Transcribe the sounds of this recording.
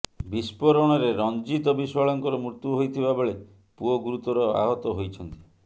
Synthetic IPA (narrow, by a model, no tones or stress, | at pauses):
bispɔɾɔɽ̃ɔɾeɾɔnd͡ʒit̪ɔbiswaɭɔŋkɔɾɔmɾut̪uɦojt̪ʰibabeɭe | puɔɡuɾut̪ɔɾɔa̰ɦɔt̪ɔɦojt͡ʃʰɔnt̪i̥